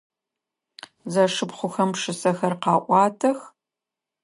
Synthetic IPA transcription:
zɐʂɨpχʷʊxɐmpʂɨsɐxɐrqɑːʔʷɑːtʰɐx

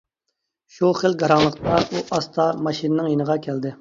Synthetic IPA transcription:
ʃuχəlɡɑɾɑŋlˠəqt̪ɑʔuʔɑst̪ʰɑmɑʃinɨnɨŋjenəʁɑkʲʰæld̪ɪ

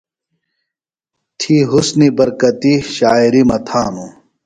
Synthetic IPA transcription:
t̪ʰiɦusnibɐɾkɐt̪iɕaːiɾimɐt̪ʰaːnu

